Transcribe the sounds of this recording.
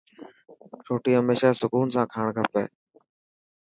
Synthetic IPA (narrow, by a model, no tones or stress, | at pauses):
ɾʰoːʈiːɦəmeːʃaːsʊkuːnsãːkʰaːɳ̃kʰəpḛː